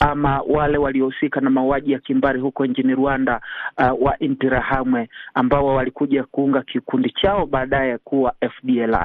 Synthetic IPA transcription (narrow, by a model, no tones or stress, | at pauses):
amawalɛwaliɔhusikanamauaʄijakimbaɾiɦukɔiɲt͡ʃiniɾuandawaʔintiɾahamwɛambaɔwalikuʄakuuŋɡakikundit͡ʃaɔɓaːɗaɛkuwaɛfɗiɛla̰